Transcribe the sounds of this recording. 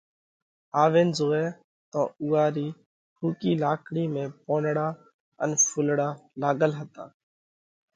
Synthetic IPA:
aːʋẽːnzoːeː | t̪õːuːaːɾiː | hʰuːkiːlaːkʰɽiːmẽːpoːnɽaː | ə̰nfʰʊlɽaːlaːɡəlɦət̪a̰ː

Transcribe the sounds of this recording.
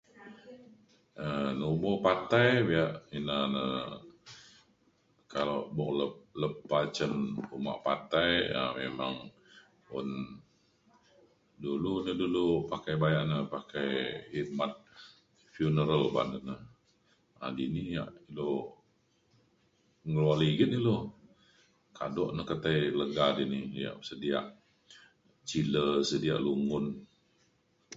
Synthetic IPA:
ənuubɔʔpat̪ajbiaʔinanə | kalobɔʔləp̚ləpːat͡ʃənuma̰ʔpat̪aja̰memaŋ | ʊ̰n | dulunədulupakajbajaʔnəpakajhit̪̚mat̪̚ | fjunəɾəlba̰ndənəh | a̰dinija̰ʔilo | ŋəlualiɡit̪̚nilɔ | ka̰dɔʔnəhkət̪ajləɡadinija̰ʔsədiaʔ | t͡ʃiləsədia̰ʔluŋʊn

